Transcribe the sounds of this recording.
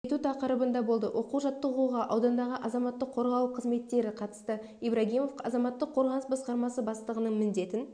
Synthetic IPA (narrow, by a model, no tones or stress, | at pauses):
t̪ut̪ʰɑqəɾəbənd̪ɑbo̞lˠd̪ə̰wʔo̞quwʒɑt̪ːəouʁɑʔɑwd̪ɑnd̪ɑʁəʔɑzɑmɑt̪ːəqʰːo̞ɾʁɑw̪ˠəqʰːəzme̞t̪ːe̞ɾɪqʰɑt̪ə̥st̪ə | ibɾaɡʲijmo̞fɑ̰zɑmɑt̪ːəqʰo̞ɾʁɑnəsbɑsqɑɾmɑsəbɑst̪lˠəʁənəɴmɪnd̪e̞t̪ɪn